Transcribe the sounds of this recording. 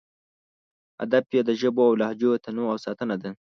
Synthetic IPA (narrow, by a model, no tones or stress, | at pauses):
a̰d̪ab̚jed̪əʒəboawlɑhd͡ʒot̪anoawsɑt̪ənad̪a